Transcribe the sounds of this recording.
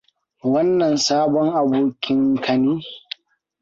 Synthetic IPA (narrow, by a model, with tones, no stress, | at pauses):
wɐ˦nːɐ˨nsaː˦bɔ˦ŋʔa˨boː˦kʲɪ˦ŋkʰɐ˨niː˦